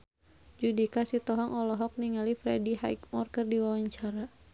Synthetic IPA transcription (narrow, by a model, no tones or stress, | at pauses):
d͡ʒudikasit̪ɔɦɔŋʔɔlɔɦɔk̚niŋalifɾɛ̰diha̰jkmɔrkərdiwawaɲt͡ʃaɾa